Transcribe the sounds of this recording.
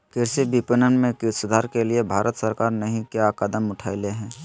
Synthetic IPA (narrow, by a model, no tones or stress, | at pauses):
kɪɾsibipənənmẽkɪsʊd̪ʱaːɾkeliebʱaːɾʔət̪səɾkaːɾnɐɦĩkjakəd̪əmʊʈʰaːileɦɛ̃ː